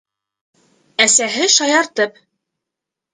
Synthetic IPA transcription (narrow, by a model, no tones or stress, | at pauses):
æsæɦɘʃɑjɑɾt̪ɤp̚